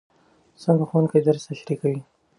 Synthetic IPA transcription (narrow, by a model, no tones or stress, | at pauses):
saŋɡaxwand̪kajd̪əɾst̪aʃɾikawi